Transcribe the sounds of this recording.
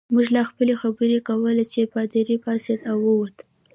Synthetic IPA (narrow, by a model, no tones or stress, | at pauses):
muʒlaxpəlexabəɾekawəlet͡ʃepɑd̪iɾipɑsed̪awəwat̪ə